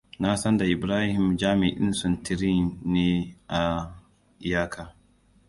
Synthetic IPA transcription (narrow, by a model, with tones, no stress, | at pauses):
na˦sɐ˦nda˨ʔɪ˨bɾaː˦hɪ˨md͡ʒaː˦mi˨ʔɪ̰˦nsʊ˨ntʰi˨ɾi˦neː˦ʔa˨ | jaː˦kʰa˨